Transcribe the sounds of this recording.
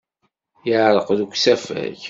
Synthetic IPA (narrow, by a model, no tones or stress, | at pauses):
jəʕɾˤəqðukʷːsæfæ̰ç